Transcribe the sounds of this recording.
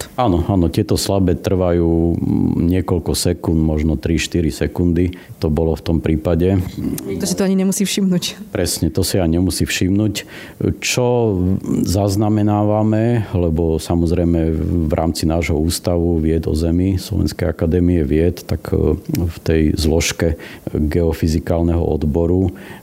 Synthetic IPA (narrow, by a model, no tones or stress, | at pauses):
anɔaːnɔt̪ɪɛt̪ɔslabɛːt̪r̩ʋajuːɲɪɛkɔʎkɔsɛkunmɔʒnɔt̪ɾiʃt̪iɾisɛkund̪it̪ɔbɔlɔft̪ɔmpɾiːpaɟɛt̪ɔʒɛt̪ɔaɲiɲɛmusiːfʃimnucpɾɛsɲɛt̪ɔsijaɲɛmusifʃimnuc | t͡ʃɔ | zaznamɛnaːʋamɛlɛbɔsamɔzɾɛjmɛʋɾʔa̰ːmt͡sinaːʒɦɔuːst̪aʋuʋɪɛd̪ɔ̰zɛmislɔ̰ʋɛ̰nskɛjakad̪ɛːmiɛʋɪɛt̪ːakft̪ɛjzlɔʃkɛɡɛɔfizikaːlnɛɦɔ̰ɔ̰d̪bɔɾu